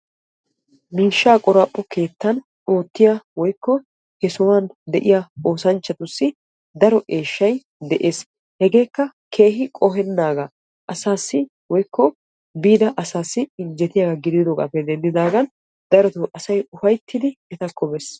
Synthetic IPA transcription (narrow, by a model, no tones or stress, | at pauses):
miːʃːaːkʼɔɾɐpʼːɔke̞ːt̪ːɐn | o̞ːt̪ːɪjawɔjkːɔ | hɛsɔwand̪ɛʔɪjao̞ːsɐnt͡ʃːɐt̪ʊsːɪ | d̪ɐɾɔʔe̞ːʃːɐj | d̪ɛʔe̞ːs | hɛɡe̞ːkːɐ | kʰe̞ːhɪkʼɔɦɛnːaːɡɐ | ʔɐsaːsːɪ | wɔjkːɔ | biːd̪ɐʔɐsaːsːɪɪnd͡ʒɛt̪ɪjaːɡɐɡɪd̪ɪd̪oːkɐ̰pːɛd̪ɛnd̪ɪd̪aːɡɐn | d̪ɐɾɔt̪ʊʔɐsɐjʊfɐjt̪ʰːɪd̪ɪɛt̪ɐkʰːɔbɛs